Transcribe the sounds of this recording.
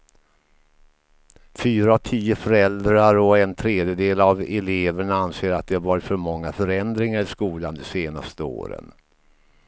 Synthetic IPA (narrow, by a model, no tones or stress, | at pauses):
fyːɾaat̪ʰiːʊfœɾɛld̪ɾaɾɔɛnt̪ʰɾeːd̪jəd̪eːlavɛleːvəɳaanseːɾat̪̚d̪ɛhaɾvɑːɾɪt̪fœɾmɔŋːafœɾɛnd̪ɾɪŋaɾɪskuːland̪ɛseːna̰st̪əo̰ːɾə̰n